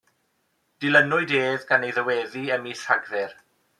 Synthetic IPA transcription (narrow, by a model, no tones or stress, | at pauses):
d̥ɪlənʊɨdeːðɡanejðəwɛːðiəmiɬaɡðɛr